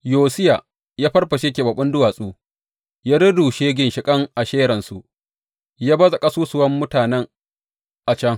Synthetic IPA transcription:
joː˨sɪ˦ja˨ | jaː˦ɸɐ˦rɸɐ˨ʃe˦kʲeː˨bɐ˨ɓʊ˦ndʊ˦waː˨sʼuː˦ | jaː˦ɽʊ˦duː˨ʃeː˦ɡʲɪ˦nʃɪ˨kʼɐ˦ŋʔa˨ʃeː˦ɾɐ˨nsu˨ʔ | jaː˦bɐ˦za˨kʼa˦suː˦sʊ˨wɐ˦mːʊ˦taː˨nɛ˦ŋ | ʔa˨t͡ʃɐ˦ŋ

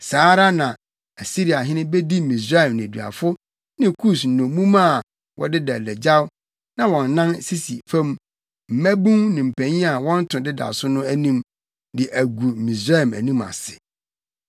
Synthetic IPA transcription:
saː˨˦ɾa˦nã˨ | æ˨si˦ɾi˨a˨ɦɪ̃˦nɪ̃˦be˦di˦mĩ˨s̬ɾa˦ɛ˨mnɪ̃˨dɥa̰˨fʊ˦ | nɪ̃˦kʰu˦˨sn̩˨nɔ̃˨mũ˦mã˦˨ | wʔɔ̰˨dɪ˦da˨lɛ˨d͡ʑa˦w | nã˨wɔ̃˨n̩ː˨˦ã˦nsi˦si˨fɛ̃˦m | m̩˨mæ̃˦bũ˦ŋnɪ̃˨m̩˨pʰæ̃˨ɲĩ˦a˨wɔ̃˦n̩˦tʰʊ̃˨dɪ˦da̰˨sʊ˦nʊ̃˦æ˦nĩ˦m | dɪ˨ʔæ˨ɡu˨mĩ˨sɾa˦ɛ˨mæ̰˨nĩ˦ma̰˨sɪ̥˨

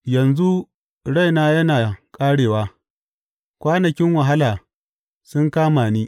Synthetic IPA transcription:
jɐ˨nzu˦ | ɽa˦˨jnaː˦jɐ˦naː˨kʼaː˦ɽeː˨waː˦ | kʷaː˦nɐ˨kʲɪ˦ŋwɐ˨ɦa˦laː˨ | sʊ˦ŋkaː˦maː˨niː˦

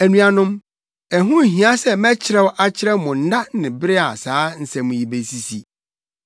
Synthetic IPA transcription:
æ˨nũ˨a˨nʊ̃˦m | ɛ˨ɦʊ̃˦˨ɦĩ˨˦a˦sɛ˦mɛ̃˦t͡ɕʰɪ˨ɾɛ˦wʔa˦t͡ɕʰɪ˦ɾɛ˦mʊ̃˨n̩˦da˦nɪ̃˨bɪ˦ɾɪ˦a˨saː˨˦n̩˦˨sɛ̃˨mʊ̃˨ji˨be˨si˦si˨

